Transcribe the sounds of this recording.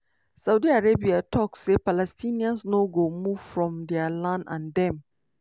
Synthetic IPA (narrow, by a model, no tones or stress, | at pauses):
sawdiaɹebiatʰɔksːepalɛstʰĩniãnsnoɡomuvfɹɔ̃mdɛalãnã̰ndɛ̃m